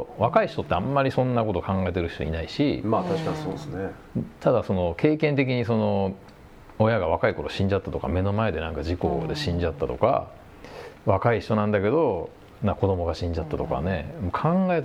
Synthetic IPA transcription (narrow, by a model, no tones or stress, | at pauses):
βakaiɕi̥t̪o̞t̪ːeamːaɾʲisõ̞nːako̞t̪o̞kʰãŋɡaet̪e̞ɾɯ̟çi̥t̪o̰ḭnaiɕimaːt̪aɕi̥kasoːsne | t̪ad̪aso̞no̞ke̞ːkẽnt̪̬e̞k̬ʲiɲ̟iso̞no̞ | ojaɡaβakaiko̞ɾo̞ɕĩɲ̟d͡ʑat̪ːat̪o̞ka̰me̞no̞mae̞d̪e̞nãŋkad͡ʑiko̞̰d̪e̞ɕĩɲ̟d͡ʑat̪ːat̪o̞ka̰ | βakaiɕit̪o̞nãnd̪ake̞d̪o̞ | nãko̞d̪o̞mo̞ɡaɕĩɲ̟d͡ʑat̪ːat̪o̞ka̰ne̞mokʰãŋɡaet̪